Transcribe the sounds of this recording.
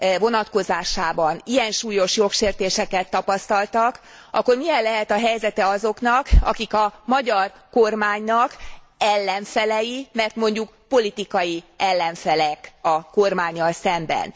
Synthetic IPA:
vo̞nɒt̪ko̞zaːʃaːbɒnijɛnʃuːjo̞ʃjo̞kʃeːrt̪eːʃɛkɛt̪ːɒpɒst̪ɒlt̪ɒk | ʔɒ̰kːo̞rmijɛllːɛɦɛt̪ɒɦɛjzɛt̪ɛɒzo̞kn̪ɒkɒ̰kikɒmɒɟɒrko̞rmaːɲnɒkɛlːɛɱfɛlɛjimɛrt̪mo̞ɲɟuk | po̞lit̪ikɒjiʔɛlːɛɱfɛlɛkɒko̞rmaːɲːɒlsɛmbɛ̰n

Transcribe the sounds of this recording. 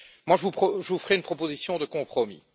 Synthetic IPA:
mwaʒəvupχɔʒəvufəʁɛynpχɔpozisjɔ̃d̪əkɔ̃pχɔmḭ

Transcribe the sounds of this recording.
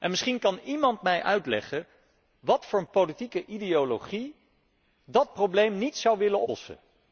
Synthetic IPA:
ʔɛnmɪsχinkɑnimɑntmɛjʔœɥtlɛ̰χə | ʋɑtfʊːɹənpolitikəʔidejoloχi | dɑt̚problejmnitsɑwʋɪlənsə̰

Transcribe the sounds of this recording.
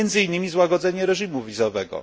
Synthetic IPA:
ɛnd̪zɘinːɘmʲizwaɡɔd̪zɛɲɛɾɛʐimuvʲizɔvɛɡɔ̰

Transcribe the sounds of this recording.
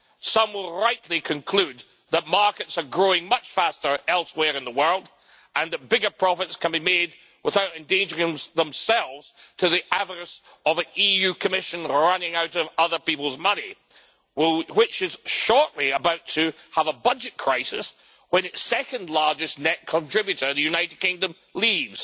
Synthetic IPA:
sʌ̃mwɪlˠɹaɪʔˡlˠikʰɨ̃nkʰl̥ʉd̪̚ | ðət̚mɑɹkɨtsə˞ɡɹoɪ̃ŋmʌt͡ʃfæstə˞ɛlˠswɛɹɨ̃nðəwɜ˞lˠd | ʔə̃nðɨt̚b̥ɪɡə˞pʰɹ̥ɑfɨtskʰɨ̃nbimed̚ | wʔəθaʊɾɨ̃ndẽnd͡ʒə˞ɪ̃ŋðə̃msɛlˠvz̥tʰɨðiʔævə˞ɨs | ʌvɨ̃nijʉkʰəmɪʃɨ̃nɹʌnɪ̃ŋaʊɾʌvʌðə˞pipl̩ˠzmʌni | wɪt͡ʃɨz̥ʃɔɹʔliəbaʊtʰɨəvəbʌd͡ʒɨt̚kʰɹ̥aɪsɪ̰s | wə̃nɨtssɛkɨ̃ndˡlˠɑɹd͡ʒɨsnɛt̚kʰə̃ntʰɹ̥ɪbjʉɾə˞ðɨjʉnaɪɾɨd̚kɪ̃ŋdɨ̃m | lˠivz̥

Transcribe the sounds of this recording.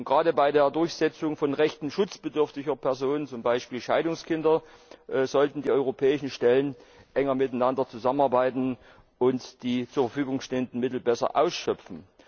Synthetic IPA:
ɡ̥ʁaːdəbaɪdeːɐdʊɐçz̥ɛt͡sʊŋfɔnʁɛçtn̩ʃʊt͡sb̥ədʏɐftɪçɐpʰɛɐzoːnənt͡sʊmbaɪʃpiːlʃaɪdʊŋskʰɪndɐ | ʔzɔltn̩diːʔɔʏʁopʰɛːɪʃn̩ʃtɛlənʔɛŋɐmɪtaɪnandɐt͡suzamənaɐbaɪtn̩ | ʔʊntd̥iːt͡suːɐfɐfyːɡʊŋʃteːəndn̩mɪtl̩bɛsɐ̰ʔa̰ʊsʃœpfn̩

